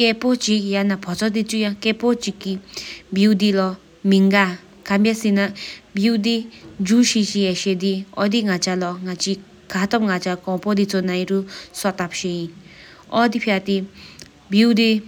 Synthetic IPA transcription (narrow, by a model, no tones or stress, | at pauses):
kepot͡ʃijanapʰɔt͡sɔd̪it͡sujãkepot͡ʃikːibjiwd̪ilɔ | miŋɡa | kambjasinabjiwd̪id͡ʒuʃit͡ʃiɛʃed̪iɔd̪iŋat͡ʃalɔŋat͡ʃi | kʰat̪ɔmŋat͡ʃakɔ̃pɔd̪it͡sɔnajɾusɔt̪apʃei | ɔd̪ipʰjat̪i | biwd̪i